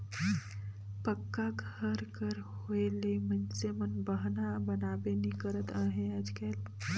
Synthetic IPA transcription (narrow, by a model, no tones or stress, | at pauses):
pəkːaɡʱəɾkəɾhoelemənsemənbəɦnabənaːbenikəɾət̪aːɦẽad͡ʒkɛːl